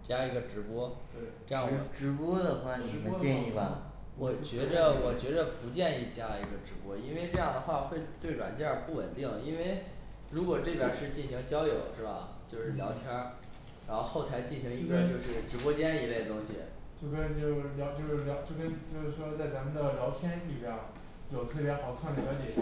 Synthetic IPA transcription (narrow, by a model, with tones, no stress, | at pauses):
t͡ɕja˥i˧˥ɡə˧ʈ͡ʂɻ̩˧˥pwɔ˥t̪we˥˩ɤ˥˧jŋ˧ʈ͡ʂɻ̩˧˥pwɔ˥d̪ə˨xwa˥n˨˧˥ɛ˥˧ni˥˩bɐ˩ | wɔ˨˩t͡ɕɥɛ˧˥d̪ə˧wɔ˨˩t͡ɕɥɛ˧˥d̪ə˧pu˧˥t͡ɕjɛ˥˧ni˥˩t͡ɕja˥i˧˥ɡə˧ʈ͡ʂɻ̩˧˥pwɔ˥i˥nwe˥˧ɪʈ͡ʂɤ˥˧jɑ˥˩ŋd̪ə˩xwa˥˧xwe˥˧ɪt̪we˥˩ɪɻwa̰˨˩nt͡ɕi˥˩jə˧˥pu˥˩wə̰˨˩nt̪i˥˩ŋi˥nwe˥˩ɪ | ɻu˧˥kwɔ˨˩ʈ͡ʂɤ˥˩pjə̰˞˨˩ʂɻ̩˥˧t͡ɕi˥˩nɕi˧˥ŋt͡ɕjɑ˥ʊjo˨˩ʊʂɻ̩˥˩bɐ̰˨˩t͡ɕjo˥˧ʂɻ̩˥˩ljɑ̰˧˥ʊt̪ʰjɑ˥ | ɻa˧˥nxo˥˧ʊxo˥˩ʊt̪ʰa˧˥ɪt͡ɕi˥˩nɕi˧˥ŋi˧˥ɡə˧t͡ɕjo˥˧ʊʂɻ̩˥˩ʈ͡ʂɻ̩˨˩pwɔ˥t͡ɕjɛ˥n˧i˧˥le˥˩ɪdə˩t̪ʊ˥ŋɕḭ˨˩t͡ɕjʊkə˥n˨˩t͡ɕjo˥˧ʊ˥˩ljɑ˧˥ʊt͡ɕjo˥˧ʊʂɻ̩˥˩ljɑ˧˥ʊt͡ɕjo˥˧ʊkə˥ni˨˩t͡ɕjo˥˧ʊʂɻ̩˥˩ʂwɔ˥t͡sa˥˩ɪt͡sa˧˥mə˧nd̪ə˨ljɑ˧˥ʊt̪ʰjɛ˥ni˥˩pjɑ˥˩ | jjo˨˩ʊt̪ʰɤ˥˩pjɛ˧˥xɑ˨˩ʊkʰa˥˩nd̪ə˨˩ljɑ˧˥ʊt͡ɕjɛ˨˩˦